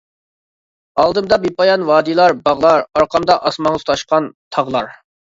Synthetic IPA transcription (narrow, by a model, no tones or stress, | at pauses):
ɑlˠd̪ɨmd̪ɑbipɑjɑnwɑːd̪ilˠɑɾbɑʁlˠɑɾɑɾqʰɑmd̪ɑʔɑsmɑŋt̪ʰɑʃqɑnt̪ʰɑʁlˠɑɾ